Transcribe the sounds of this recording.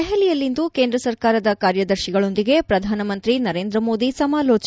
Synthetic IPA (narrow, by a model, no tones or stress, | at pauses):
ɛɦɛlijɐlːind̪ukeːnd̪ɾɐsɐɾkaːɾɐd̪ɐkaːɾjɐd̪ɐɾʃiɡɐɭo̞nd̪iɡe̞pɾɐd̪ʱaːnɐmɐnt̪ɾinɐɾeːnd̪ɾɐmo̞ːd̪isɐmaːlo̞ːt͡ʃ